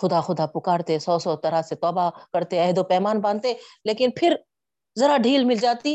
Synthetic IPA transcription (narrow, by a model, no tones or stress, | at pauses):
xʊd̪axʊd̪apʊkaːɾt̪esɔːsɔt̪ɐɾaset̪ɔːbakɐɾt̪eɛɦd̪opɛːmaːnbãːnt̪eleːkɪnpʰɪɾ | zɐɾaɖʱiːlmɪld͡ʒaːt̪i